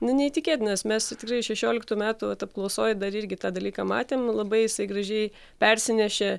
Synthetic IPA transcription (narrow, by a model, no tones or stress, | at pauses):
nʊnʲɛit̪ʲɪkʲeːt̪ʲnʲɐsmʲɛst̪ʲɪkrɐɪʃʲɛʃʲoːlʲɪkt̪uːmʲæːt̪uːʋɐt̪ɐp̚klˠɐʊsoːjd̪ɐɾɪɾʲɡʲɪt̪ɑːd̪ɐlʲiːkɐːmɑ̰ːt̪ʲeːmlˠɐbɐɪjɪsɐɪɡɾɐʒʲɛɪ | pʲɛɾʲsʲɪnʲɛʃʲɛ